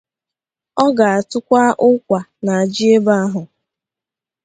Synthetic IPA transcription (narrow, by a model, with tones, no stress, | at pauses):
ɔ˦ɡa˨a˨tʊ˦kʷa˦ʔʊ˦kʷa˨na˨a˨d͡ʒi˦e˦ba˦a˦ɦʊ˨